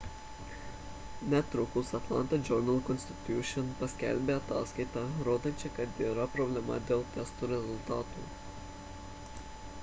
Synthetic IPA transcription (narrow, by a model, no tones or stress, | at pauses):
nʲɛt̪ɾʊkʊsɐt̪lˠɑ̰nt̪ɐd͡ʒʲɔɾnɐlˠkɔnsʲt̪ʲɪ̥t̪ʲjuʃʲɔnpɐsʲkʲæ̰lʲbʲeːɐt̪ɑːskɐɪt̪ɑɾoːd̪ɐnʲt͡ʃʲɪkɐt̪iːɾɐpɾɔbʲlʲɛmɐ̰d̪ʲeːlˠt̪ʲɛst̪uːɾʲɛzʊlʲt̪ɑːt̪ṵː